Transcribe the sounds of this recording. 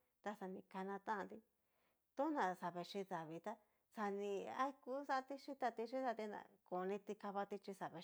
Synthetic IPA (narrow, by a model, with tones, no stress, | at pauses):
t̪a˧sa˧nĩ˧ka˧nã˧t̪ã˦˧nd̪i˧ | t̪o˦nã˨sa˨βe˧ʂi˧ða˨βi˧t̪a˦ | sa˧nĩ˧a̰˦i˦˧ku˦sa˦˧t̪i˦ʂi˦t̪a˧t̪i˧ʃi˦sa˧t̪i˧nã̰˨˧ko˨˧nĩ˧t̪i˧ka˧βa˧t̪i˦˧t͡ʃi˧sa˨βe˧